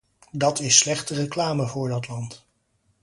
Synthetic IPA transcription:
dɑtɪsːlɛχtərəklaːməvʊːɹdɑtlɑnt

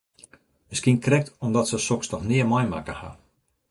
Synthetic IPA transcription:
əskinkrɛk̚tɔmdɔtsəsɔksnɔxnɪəmɔjmakəha̰

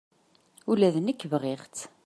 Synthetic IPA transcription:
ulæðnəkːvʁeʁt͡s̪

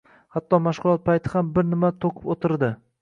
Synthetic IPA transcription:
hat̪ːɒmaʃʁʊlˠɒt̪̚pʰajt̪ʰɪhambɪɾnɪmat̪ʰoqʰɪ̥pot̪ʰɪɾd̪ɪ

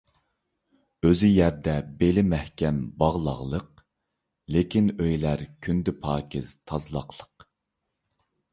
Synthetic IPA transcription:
øzyjæɾd̪ɛbelɪmæhkʲɛmbɑʁlˠɑ̰ʁlˠəq | lekʲʰinøjlæɾkʲʰynd̪ɪpʰɑːkʲɪz̥t̪ʰɑzlˠɑ̰qlˠəq

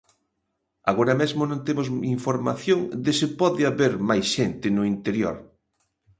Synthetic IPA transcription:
aɣoɾɐmezmonõnt̪emʊsiɱfoɾma̰θjõŋd̪ɪsɪpɔðɪaβeɾmajsʃent̪ɪnʊint̪eɾjo̰ɾ

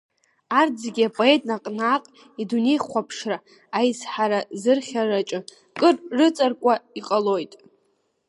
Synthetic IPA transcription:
ard͡zɡʲiapʼo̞e̞tʼnaqʼnaːqʼ | idune̞jχʷapʰʂra | ajzħaɾazɨrχʲarat͡ʃʼɨ | kʼɨrrɨt͡sʼarkʷʼaiqʼalo̞jtʼ

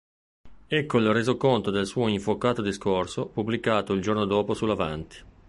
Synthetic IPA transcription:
ɛkːolreːzokont̪od̪elsuːoiɱfokaːt̪od̪iskorsopublikaːt̪oild͡ʒornod̪oːposulːavant̪i̥

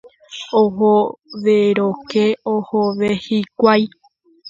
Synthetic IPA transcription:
oɦoʋeɾokeohoʋehikʷaj

